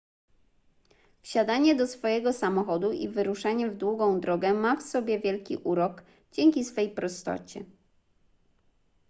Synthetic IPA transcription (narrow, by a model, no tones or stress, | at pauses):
fɕad̪aɲɛd̪ɔsfɔjɛɡɔsamɔxɔd̪uʔḭvɘɾuʂaɲɛvd̪wuɡɔ̃w̃d̪ɾɔɡɛmafsɔbʲjɛvʲjɛlkʲḭʔuɾɔɡ | d͡ʑɛŋʲkʲisfɛjpɾɔst̪ɔ̰t͡ɕɛ